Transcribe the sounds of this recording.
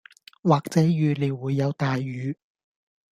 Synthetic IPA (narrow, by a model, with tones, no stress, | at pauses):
waː˨k̚t͡sɛː˨˥jyː˨˧le˨˧jwuː˨˧jːɐ˨˧wt̪aː˨jːyː˨˧